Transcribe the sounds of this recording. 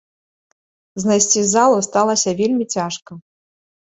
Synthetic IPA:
znajsʲt͡sʲizalˠust̪alˠɐsʲɐvʲelʲmʲit͡sʲaʂkɐ

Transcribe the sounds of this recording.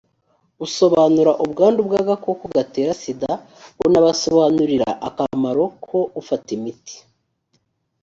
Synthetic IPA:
uso̞βaːnuɾaʔubɡaːndubɡaːɡakokuɡate̞ːɾasida | onaβaso̞βaːnuɾiɾa̰ʔakamaɾo̞kʰo̞ʔufatimiti̥

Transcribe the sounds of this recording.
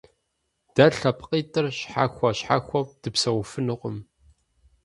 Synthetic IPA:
d̥ɐɬɐpqʼiːtʼɨrɕħaxʷɐɕħa̰xʷɔp̚d̥ɨpsɐwfɨnɨqʷʊm

